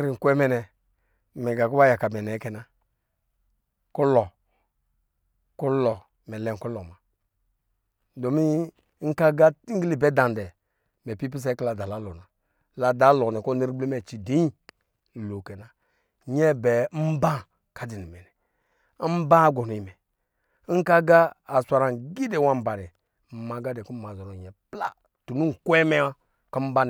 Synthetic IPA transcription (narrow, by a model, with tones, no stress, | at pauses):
ɾi˨ŋ̩˨ku˦ɛ˦mɛ˦nɛ˨ | mɛ˨ɡa˨ku˦a˦ja˨ka˨mɛ˨nɛ˨˦kɛ˨na˦ | ku˦lɔ˨ | ku˦lɔ˨ | mɛ˨lɛ˨ŋ̩˨ku˦lɔ˨ma˨˦ | do˨mi˦ | ŋ̩˦ka˦ɡa˦ŋ̩˦ɡi˦li˦˨bɛ˨˦da˨n˨dɛ˨ | mɛ˨pi˦p̬i˦s̬ɛ˦kla˨da˨la˨˦lɔ˨na˨ | la˨da˨˦lɔ˨nɛ˨ko˦ni˦ɾbli˦mɛ˨t͡ʃi˨di˨˦i˦˨ | lo˨kɛ˨na˨ | ɲɛ˦bɛ˨˦m̩˦bã˦ | ka˦di˨ni˨mɛ˨nɛ˨˦ | m̩˦bã˦ɡo˨nu˨i˨mɛ˨˦ | ŋ̩˦ka˦ɡaː˦˨sʷa˨ɾa˨ɡi˦de˨wa˦m̩˨ba˨ɾɛ˨ | ma˨ɡa˦dɛ˨ku˦ma˨zɔ˨ɾo˨ɲɛ˨pla̰˦ | tu˨nu˦ŋ˨kʷɛ˦mɛ˦wa˦ | ka˦m̩˦ba˦n˨